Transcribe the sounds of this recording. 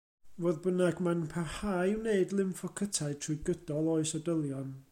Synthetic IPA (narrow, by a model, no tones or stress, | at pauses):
voːðbənaɡmanpʰahaːjwneɨdlˠɪmfɔkʰətʰaɨtʰrʊɨɡəd̥ɔlˠɔɨsədəlˠjɔn